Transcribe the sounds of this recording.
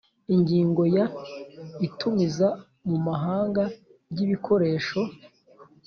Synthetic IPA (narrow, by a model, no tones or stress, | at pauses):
iɲɟiːŋɡo̞ja | itumiza | mumaɦaːŋɡa | bɟiβikʰo̞ɾe̞ːʃo̞